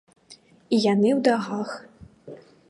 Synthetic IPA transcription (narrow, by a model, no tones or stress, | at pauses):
ijanɨwd̪aɣax